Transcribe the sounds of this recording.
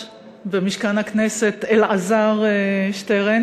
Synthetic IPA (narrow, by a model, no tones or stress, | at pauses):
vemiʃkanhakneset̪elʔazaʁeʃt̪eʁen